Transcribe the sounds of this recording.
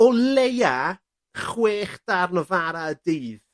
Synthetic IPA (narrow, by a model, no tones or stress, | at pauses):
ɔleja | χweːχd̥arnɔvaɾaədiːð